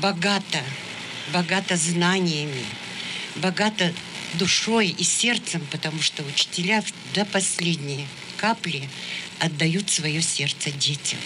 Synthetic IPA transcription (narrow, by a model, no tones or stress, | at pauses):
bɐɡat̪ə | bɐɡat̪əznanʲɪjəmʲɪ | bɐɡat̪ə | d̪ʊʂo̞jisʲe̞rt̪səmpət̪ɐmuʂt̪oʊt͡ɕɪ̥tʲɪlʲav | d̪əpɐsʲlʲedʲnʲɪj | kaplʲɪ | ɐd̪ːɐjut̪svɐjosʲe̞rt̪sədʲetʲɪm